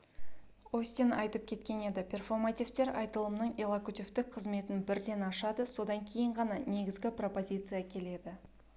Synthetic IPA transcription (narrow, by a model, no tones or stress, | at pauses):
osʲt̪enɑjt̪əp̚kʲʰe̞t̪kʲe̞ne̞d̪ɪpʲʰe̞rfo̞rmat̪ʲift̪e̞ɾʔɑ̰jt̪əlˠəmnəɴelˠakut̪ʲift̪ɪk̚qʰəzme̞t̪ɪnbɪɾd̪e̞nɑʃɑd̪əso̞d̪ɑŋkʲʰe̞jɪɴʁɑnɑne̞ɡʲɪzɡʲɪpro̞po̞zʲit̪sɨjakʲʰe̞le̞d̪ɪ